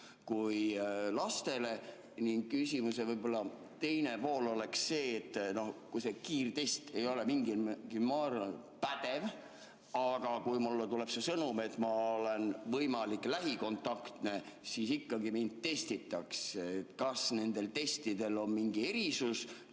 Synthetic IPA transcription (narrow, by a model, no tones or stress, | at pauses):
kujlɑst̪e̞le̞ | niŋɡ̥̚kysʲimuse̞vɤjbo̞lːɑ | t̪e̞jne̞po̞ːlo̞le̞ksːe̞ːt̪ːˑno̞hkujse̞kiːrt̪e̞st̪e̞jo̞le̞miŋɡiɡ̥imɑɾpæd̪ev | ɑɡ̥ɑkujmulːet̪ulepsesɤnume̞t̪ːˑmɑole̞nvɤjmɑlikˑlæɦiko̞nt̪ːˑɑkt̪ne̞ | sisikːɑɡimind̪̚t̪e̞st̪it̪ːˑɑkset̪kɑsne̞nd̪̥e̞lt̪e̞st̪id̪̥e̞lo̞nmiŋɡie̞ɾisus